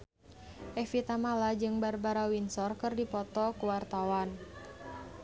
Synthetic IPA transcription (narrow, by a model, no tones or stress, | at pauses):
ʔɛfit̪amalad͡ʒɨŋbarbaɾawinsɔrkɨrdipɔt̪ɔkuwart̪awan